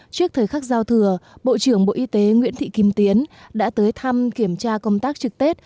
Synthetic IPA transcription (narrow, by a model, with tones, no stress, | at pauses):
t͡ɕɨ˦˥ək̚t̪ʰəː˨˩jxa˦˥k̚zaː˧wt̪ʰɨ˨˩əɓo̰˧˨t͡ɕɨ˧˩əŋɓo̰˧˨ʔi˧t̪e˨˦ŋwḭ˧˥ənt̪ʰḭ˧˨ki˨˧˩mt̪i˨˦ənɗa̰ː˧˥t̪əː˨˦jt̪ʰa˧mki˧˩əmt͡ɕaː˧kə˧wŋ͡mt̪aː˦˥k̚t͡ɕɨ˨˩k̚t̪i˦˥t̚